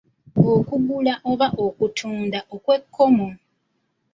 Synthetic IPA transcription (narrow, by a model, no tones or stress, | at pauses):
okuɡulaʔo̞βaʔo̞kutʰuːndaʔokwe̞kʰːo̞mo